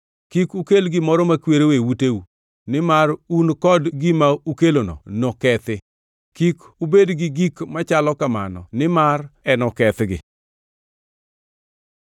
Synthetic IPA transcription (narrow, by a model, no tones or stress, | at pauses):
kikukelɡɪmɔɾɔmakweɾowewuteu | nɪmarunkɔdɡɪmaukelonɔ̰nɔkɛt̪ɪ | kik | ubedɡɪɡikmat͡ʃalɔkama̰nɔ̰nɪmarɛnɔkɛt̪ɡɪ̰